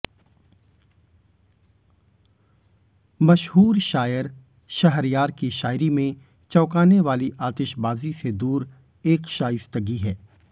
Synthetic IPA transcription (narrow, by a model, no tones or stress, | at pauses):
mɐʃɦuːɾʃaːjəɾ | ʃɐɦɾjaːɾkiʃaːjɾimẽ | t͡ʃɔːkaːneʋaːliʔaːt̪ɪʃbaːzised̪uːɾ | eːkʃaːjɪst̪əɡiɦɛː